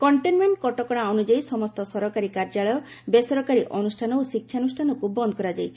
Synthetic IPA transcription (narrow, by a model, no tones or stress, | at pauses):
kɔɳʈenmeɳʈkɔʈɔkɔɽ̃aɔnud͡ʒajisɔmɔst̪ɔsɔɾɔkaɾikaɾd͡ʒaɭɔjɔ | besɔɾɔkaɾiʔɔnusʈʰanɔosikʰːjanusʈʰanɔkubɔnd̪ɔkɔɾad͡ʒajt͡ʃʰi̥